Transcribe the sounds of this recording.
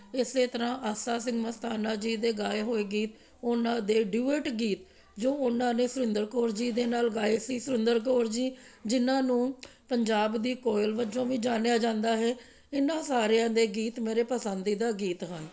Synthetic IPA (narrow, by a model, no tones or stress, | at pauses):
ɪseːt̪əɾãːʔəsaːsɪ̃ŋɡməst̪aːnaːd͡ʒiːd̪eːɡaːeːɦoːeːɡiːt̪ | ʊnãːd̪eːɖjuːeːʈɡiːt̪ | d͡ʒoːʊnãːneːsʊɾɪ̃nd̪əɾkoːɾd͡ʒiːd̪eːnaːlɡaːeːsiːsʊɾɪ̃nd̪əɾk̬oːɾd͡ʒiːd͡ʒɪnãːnũːpəɲd͡ʒaːbd̪iːkoːɪlʋəd͡ʒõːʋĩːd͡ʒaːnejaːd͡ʒãːnd̪aːɦɛː | ɪnãːsaːɾejãːd̪eːɡiːt̪meːɾeːpəsənd̪iːd̪aːɡiːt̪ɦən